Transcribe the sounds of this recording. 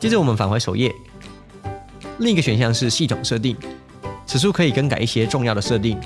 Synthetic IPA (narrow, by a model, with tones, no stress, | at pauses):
t͡ɕɛ˥ʈ͡ʂwɔ˨˩mə˦nfa˨˩xwe˧˥ɪʂo˨˩ʊjɛ˥˩ | li˥˩ŋ˧˥ɡə˩ɕɥɛ˨˩nɕjɑ˥˧ŋʂɻ̩˥˧ɕi˥˩t̪ʰʊ˨˩ŋʂɤ˥˧t̪̬i˥˩ŋ | t͡sʰɹ̩˨˩ʂu˥kʰɤ˧˥i˨˩kə˥nka̰˨˩ɪi˥˩ɕjɛ˥ʈ͡ʂʊ˥˧ŋjɑ˥˩ʊd̪ə˩ʂɤ˥˧t̪i˥˩ŋ